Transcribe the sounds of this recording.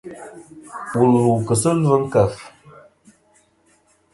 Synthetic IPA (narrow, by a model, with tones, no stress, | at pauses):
ɓu˨lu˨kə˨sə˦lvə˦ŋ̩˦kə˨f